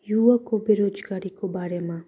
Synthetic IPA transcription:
juʋakobeɾod͡ʒɡaɾikobaːɾemã

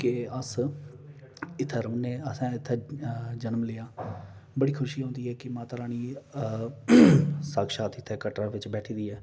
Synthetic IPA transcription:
kɪəs | ɪt̪ʰəɾəmneːəsãːɪt̪ʰːd͡ʒənmleːaːbəɽiːkʰʊʃiːɦõːnd̪iːɦɛːkɪmãːt̪əɾãːniː | səːkʃaːt̪ʰɪt̪ʰɛːkəʈɾaːʋɪt͡ʃbɛːʈʰiːd̪iːɛː

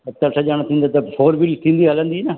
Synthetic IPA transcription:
t̪əlʈʰaːd͡ʒaːɽ̃aːt̪ʰĩːnd̪aːt̪apʰoːɾbilt̪ʰĩːnd̪iːɦəlãnd̪iːnaː

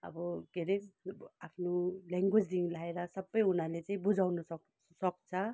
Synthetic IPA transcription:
ʌ̰bʌkeɾeapʰnolaŋɡwed͡zd̪iŋlaeɾʌsʌbːʌjunalet͡saĩbud͡zawnʌsʌ | sʌk̚t͡sʰʌ

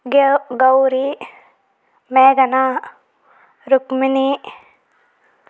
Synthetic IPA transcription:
ɡɐwɾi | meːɡɐna | ɾukmini

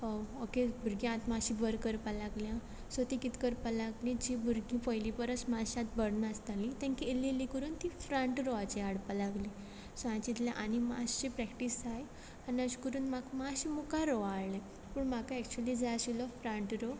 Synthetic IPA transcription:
hookebʱuɾɡĩãt̪mãɕibəɾkəɾpalaɡljã | sot̪ikit̪kəɾpalaɡlĩd͡ʑibʱuɾɡĩpəjlipəɾəsmaɕãt̪̚bəɽnəst̪alĩt̪jãŋkielelikəɾuːnt̪ifɾə̃ɳʈɾoat͡ɕiaɽpalaɡli | soãt͡ɕit̪ljãʔanima̰ɕt͡ɕipɾɛkʈisaj | aniəɕi̥kəɾuːnmakmaɕimukaɾoaɭlɛ̃ | puːɳm̤akaɛk̚t͡ɕuəlid͡zaaɕilɔfɾə̃ɳʈɾo

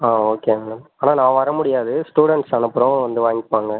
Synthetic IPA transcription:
aːoːkeːmeːɽɐmaːnaːnãːʋɐɾɐmʊɽɪjaːðɯsʈuːɽɛɳʈsɐnɯpːɯɾɔ̃ʋɐnd̪ɯʋaːŋɡɪpːaːŋɡɐ

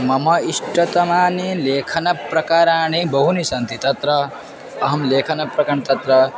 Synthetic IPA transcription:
mɐmɐiʂʈɐt̪ɐmaːnileːkʰɐnɐpɾɐkaːɾaːnibɐɦunisɐnt̪it̪ɐt̪ɾɐ | ɐɦɐmleːkʰɐnɐpɾɐkaɳt̪ɐt̪ɾɐ

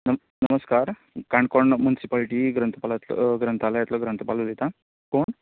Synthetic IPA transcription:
nə | nəməskaɾ | kaɳɖkɔɳmunisipaliʈiɡɾənt̪əpalat̪l̰ɡɾənt̪alajɛt̪lɔɡɾənt̪əpalod̪it̪a | koɳ

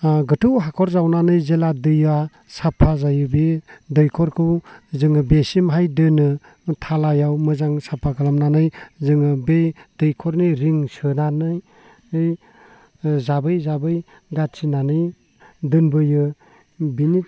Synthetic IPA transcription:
ɡɯtʰɯwɦakʰɔɾzawnanɯjzeladɯja | sapʰazajɯbidɯjkʰɔɾkʰɯwzɯŋɯbesimɦajdɯnɯ | tʰalajawmɯzaŋsapʰakʰalamnanɯjzɯŋɯbed̥ɯjkʰɔɾnɯjɾiŋsɯnanɯj | ɯj | zabɯjzabɯj | ɡatsʰinanɯj | dɯnbɯjɯ | bini

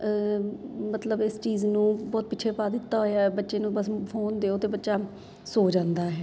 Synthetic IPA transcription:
ə | mət̪ləbɪst͡ʃiːznũːbɔːt̪̚pɪːt͡ʃʰeːpaːd̪ɪt̪ːaːɦoːjaːɛbətːʃeːnũːbəspʰoːnd̪eːoːt̪eːbətːʃaː | soːd͡ʒãːnd̪aːɦɛː

